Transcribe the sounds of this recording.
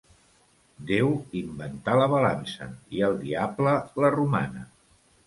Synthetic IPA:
d̪ewimbənt̪aləβəlansə̰iəlˠd̪iablələruma̰nə

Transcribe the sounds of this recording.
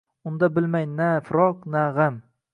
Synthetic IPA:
ʊnd̪abɪlmajnafɾɒqnaʁam

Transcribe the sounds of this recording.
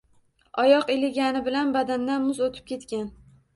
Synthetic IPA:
ɒjɒqelɪɡʲanɪbɪlanbad̪and̪anmʊzot̪ʰɪ̥p̚kʲʰe̞t̪kʲan

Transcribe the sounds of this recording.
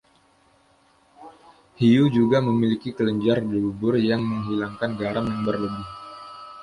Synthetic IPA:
hijud͡ʒuɡaməmilikikələɲd͡ʒardibubʊrjaŋməŋɦilaŋkanɡaɾamjaŋbərləbɪh

